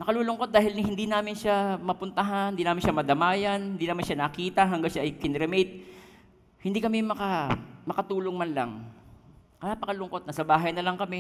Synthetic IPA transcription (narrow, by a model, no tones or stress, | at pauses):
nɐkɐluːlʊŋko̞t̪̚d̪aːhɪlnɪhɪnd̪inaːmɪnʃamɐpʊnt̪ɐɦanhnd̪iːnaːmɪnʃamɐd̪ɐmaːjɐnhɪnd̪iːnaːmɪnʃanɐkiːt̪ɐɦɐŋɡaŋʃaʔɐjkɪnɾɛmɛjt̪̚ | hɪnd̪iːkɐmɛmɐkɐmɐkɐt̪uːloŋmɐnlɐ̰ŋ | kɐnapɐkɐlʊŋko̞t̪̚nɐsɐbaːɦɐjnɐlɐŋkɐmɛ